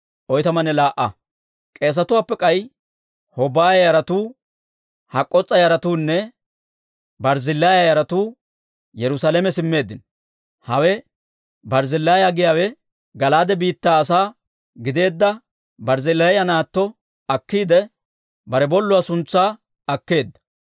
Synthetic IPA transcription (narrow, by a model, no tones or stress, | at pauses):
ʔɔjt̪ɐmɐnɛlaːʔɐ̰ | kʼe̞ːs̬ɐt̪ʊwaːpːɛkʼɐj | hɔbaːjjɐɾɐt̪uː | hɐkʼːɔt͡sʼːɐjɐɾɐt̪uːnːɛ | bɐɾzɪlːaːjajɐɾɐt̪uː | jɛɾʊsalɛmɛsɪmːe̞ːd̪ːɪn | hɐwɛ | bɐɾzɪlːaːjaɡɪjaːwɛ | ɡɐlaːd̪ɛbiːt̪ːaːɐs̬aː | ɡɪd̪e̞ːd̪ːɐ | bɐɾzɪlːajɐnaːt̪ːɔ | ɐkːiːd̪ɛ | bɐɾɛbɔlːʊwasʊnt͡sːaː | ɐkːe̞ːd̪ːɐ̥